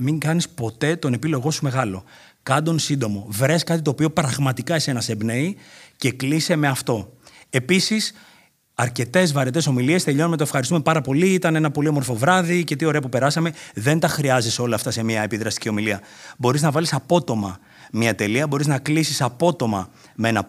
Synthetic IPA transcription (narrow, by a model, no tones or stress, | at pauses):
miŋɡɐnispo̞t̪e̞t̪o̞ne̞pilo̞ɣo̞sume̞ɣɐlo̞ | kɐnd̪o̞nsind̪o̞mo̞vɾe̞skɐt̪̬it̪o̞ːpio̞pɾɐɣmɐt̪ikɐese̞nɐsebneice̞klise̞me̞ɐft̪o̞ | e̞pisis | ɐɾce̞t̪e̞zvɐɾet̪e̞so̞milie̞st̪e̞ʎo̞nomet̪oefxɐɾist̪ume̞pɐɾɐpo̞liit̪ɐne̞nɐpo̞lio̞mo̞ɾfo̞vɾɐðice̞t̪io̞ɾeɐpupe̞ɾɐsɐme̞ðe̞nt̪ɐxɾiɐziso̞lɐːft̪ɐse̞miɐe̞piðɾɐst̪icio̞miliɐ | bo̞ɾiznɐvɐlisɐpo̞t̪o̞mɐ̰ | miɐt̪e̞liɐbo̞ɾiznɐklisisɐpo̞t̪o̞mɐ̰ | mee̞nɐ